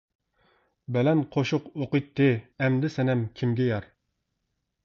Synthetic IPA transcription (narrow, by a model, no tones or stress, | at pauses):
bɛlɛnqʰoʃʊqoqəjt̪ʰːɨɛmd̪ɪsɛnɛmkʲʰimɡʲɛjɑɾ